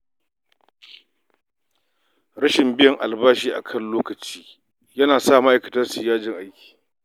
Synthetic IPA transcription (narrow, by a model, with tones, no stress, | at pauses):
ɽɐ˦ʃɪ˨mbɪ˦jɐ˨ŋʔa̰˨lbaː˦ʃiː˦ʔa̰˨kʰɐ˦˨nloː˦kɐ˨t͡ʃiː˦ | jɐ˦naː˨saː˦˨mɐ˦ʔa˨jkɐ̥˨tɐ˦rsʊ˨jaː˦d͡ʒɪ˨ŋʔa˦jkʲi̥ː˨